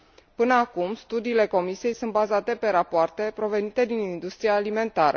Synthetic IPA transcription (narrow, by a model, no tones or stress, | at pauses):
pɨnəakumst̪ud̪iːle̞ko̞misie̞jsunt̪̚bazat̪e̞pe̞ɾapoart̪e̞pɾo̞ve̞nit̪e̞d̪inind̪ust̪ɾiaːlime̞nt̪aɾə̰